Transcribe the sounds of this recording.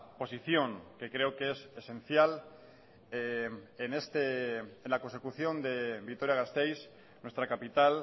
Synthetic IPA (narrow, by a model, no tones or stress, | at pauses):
po̞siθjo̞ŋke̞kɾe̞okeesesẽ̞n̟θjal | ene̞st̪eenlako̞nse̞kuθjo̞nd̪e̞bikt̪o̞ɾjaɣast̪ejs | nwe̞st̪ɾakapit̪al